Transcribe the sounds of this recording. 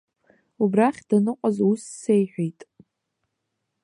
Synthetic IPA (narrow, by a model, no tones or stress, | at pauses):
ubraχʲdanɨqʷʼazusːejħʷᶣejtʼ